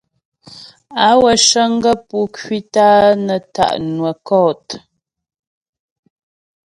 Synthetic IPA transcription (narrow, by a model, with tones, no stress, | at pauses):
a˨˦wə˨ʃə˦ŋ˦ɡə˦pu˦kɥi˦taː˦nə˨ta̰˨ʔnwə˨kɔ˦˨t